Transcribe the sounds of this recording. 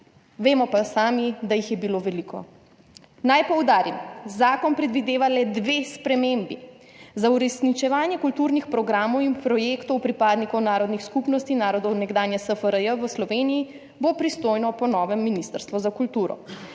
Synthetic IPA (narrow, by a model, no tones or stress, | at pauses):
ʋeːmɔpasaːmid̪ajixjɛbiloːʋɛlikɔ̰ | najpɔwd̪aːɾimzaːkɔnpɾɛd̪ʋid̪eːʋalɛd̪ʋespɾɛmembi | zauɾɛsnit͡ʃɛʋaːnjɛkult̪uːɾnixpɾɔɡɾaːmɔwimpɾɔjeːkt̪ɔwpɾipaːd̪nikɔwnaːɾɔd̪nixskupnɔst̪inaːɾɔd̪ɔwnɛɡd̪aːnjɛsəfəɾəjəʋəslɔʋeːniji | bopɾist̪oːjnɔpɔnɔːʋɛmːinist̪əɾst̪ʋuzakult̪uːɾɔ̰